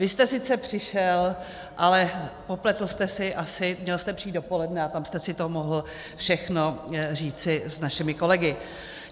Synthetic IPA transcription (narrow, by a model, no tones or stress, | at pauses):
vɪst̪ɛsɪt͡sɛpr̝̥ɪʃɛl | ʔalɛpo̞plɛt̪l̩st̪ɛsɪʔasɪmɲɛlst̪ɛpr̥iːt̪do̞po̞lɛdnɛat̪amst̪ɛsɪt̪o̞moɦl̩ | fʃɛxnor̝iːt͡sɪznaʃɪmɪko̞lɛɡɪ